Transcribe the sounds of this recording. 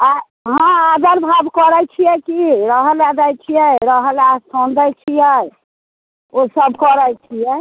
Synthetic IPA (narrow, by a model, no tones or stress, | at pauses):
a | ɦãad̪əɾbʱabkɔɾɛt͡ʃʰijɛkiɾəɦəlad̪əjt͡ʃʰijɛɾəɦəlasʰond̪ɛt͡ʃʰijɛ | osəbkɔɾɛjt͡ʃʰijɛ